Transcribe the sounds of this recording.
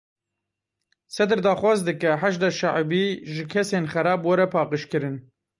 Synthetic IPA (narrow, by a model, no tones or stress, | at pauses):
sɛd̪ɨɾd̪ɑːxwɑːzd̪ɨkɛħaʒd̪ɑːʃaʕbiːʒɨkʰɛseːnxɛɾɑːbwɛɾɛpʰɑːqɨʃkɨɾɨn